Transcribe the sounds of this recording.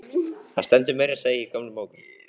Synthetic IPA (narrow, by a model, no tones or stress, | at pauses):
hã̰nst̪ɛnt̪̬ʏmejɾaseːjɪikʰœmlʏmoːwkʏm